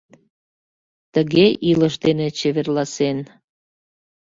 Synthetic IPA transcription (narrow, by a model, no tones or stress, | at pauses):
t̪əɣeʔiləʃd̪enet͡ɕeβerlɑsen